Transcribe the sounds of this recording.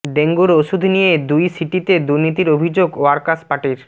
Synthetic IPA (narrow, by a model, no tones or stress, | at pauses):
ɖeŋɡuɾoʃud̪ʱnijed̪ujsiʈit̪ed̪uɾnit̪iɾobʱid͡ʑoɡoaɾkaspaʈiɾ